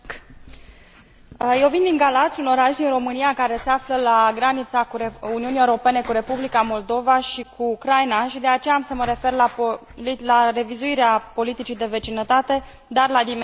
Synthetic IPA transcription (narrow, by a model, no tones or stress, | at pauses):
jewvind̪iŋɡalat̪sʲuno̞ɾaʃd̪inro̞mɨnijakaɾe̞se̞afləlaɡɾanit̪sakuuniuniewuɾo̞pe̞ne̞kuɾe̞publikamo̞ld̪o̞vaʃikʰuːkɾajnaʃid̪eat͡ʃe̞jaːmsəməɾe̞fe̞rla | lare̞vizuiɾeapo̞lit̪it͡ʃid̪e̞ve̞t͡ʃinət̪at̪e̞ | d̪arlad̪im